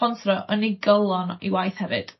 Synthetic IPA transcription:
ɔnθrɔʔəniɡəlˠɔnḭwajθhɛvɨ̰d̥

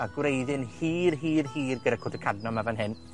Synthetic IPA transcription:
aɡwrɾejðɨnhiːrɦiːrhiːrɡədakʰɔdəkʰadnɔmavanɦɪn

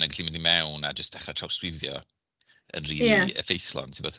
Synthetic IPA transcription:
nənɡaɬimɪndimɛwnad͡ʒəsd̥ɛχatʰr̥awskɾɪðjɔ̰ | ə̰nriːjˠiaə̰fejθlˠɔ̰ntʰɪmbɔθ

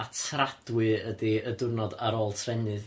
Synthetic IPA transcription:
atʰrad̥wɨədɨədʊrnɔdaɾoːlˠtʰrɛnɨð

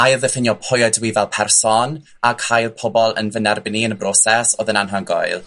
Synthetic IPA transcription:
ajlðəfənjɔpʰɔjɔdwivɛlˠpʰɛrsɔn | akʰajlˠpʰɔbɔlˠə̰nvənɛrbɪniənəbrɔsɛsoːðənanɦanɡɔ̰jlˠ

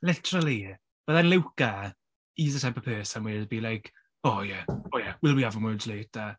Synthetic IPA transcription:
lɪtʰəɾəlˠi | b̥əðanlɪwka | iðətʰɛ̃mpəpʰøːsanwɪbiːlajkʰ | ɔːjɛɔjɛwɪlˠbiavənwədlɪta

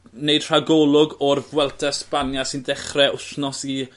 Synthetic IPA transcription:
neɨd̥r̥aɡɔlˠʊɡɔrvwɛlˠtʰɛspanjasɪndɛχrɛʊɬnɔsi

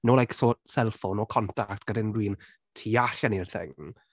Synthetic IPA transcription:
noːlajksosɛlˠfonɔkʰɔntʰak̚tɡ̥ədɪnrwiːn | tʰiaɬanirθɪ̰ŋ

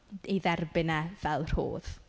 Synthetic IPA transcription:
iðɛrbɪnav̥ɛlˠr̥ho̰ːð̥

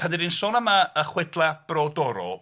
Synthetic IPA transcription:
pʰandiɾiːnsoːnəmaəχwɪdlˠab̥rɔdɔɾɔ̰

